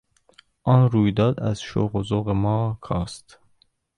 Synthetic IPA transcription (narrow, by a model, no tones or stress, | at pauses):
ʔɒːnɾuːjd̪ɒːd̪æz̥ʃo̰ɣozoɣemɒːkʰɒːst̪